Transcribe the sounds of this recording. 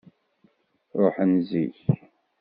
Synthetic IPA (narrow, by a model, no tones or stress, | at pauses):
ɾˤoħənziç